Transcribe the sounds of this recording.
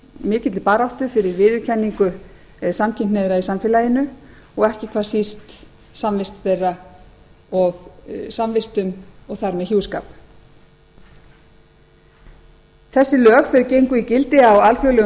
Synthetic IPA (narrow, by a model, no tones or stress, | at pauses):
mɪːcɪt̪lɪpaːɾawht̪ʏfɪɾɪɾvɪːðʏ̥cʰɛnːiŋkʏ | samcʰɪnt̪neðɾaisamfɪlajɪnʏ | ɔɣɛhcɪkʰvaːsist̪ | samvɪst̪pɛra | ɔɣsamvɪst̪ʏmɔɣθaɾmɛðçjuːwska̰ːp | θɛsːɪlœːɣfɛɾʏcejŋkʏicɪlt̪ɪawalfjowlɛ